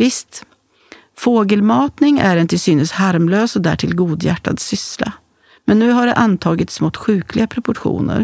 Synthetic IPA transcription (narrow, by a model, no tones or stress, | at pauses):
vɪst̪ | foːɡəlmɑːt̪nɪŋæɾɛnt̪ɪlsyːnəshaɾmløːsɔd̪æ̰ʈʰɪlɡuːd̪jæ̰ʈːa̰d̪sʏsla̰ | mɛnːʉ̟ːɦaɖɛʔant̪ʰɑːɡɪt̪smɔt̪ːɧʉ̟ːklɪɡapʰɾɛpʊʈɧṵːnə̰ɾ